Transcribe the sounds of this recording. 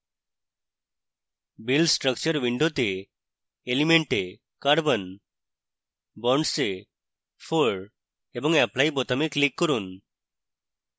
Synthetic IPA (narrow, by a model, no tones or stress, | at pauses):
bilsʈɾək̚t͡ɕəɾʋiɳɖʱot̪eː | limeɳʈe | kaɽbən | bɔɳɖse | foɭ | ebəŋɡaplaiːbɔt̪amiklikːəɾuːn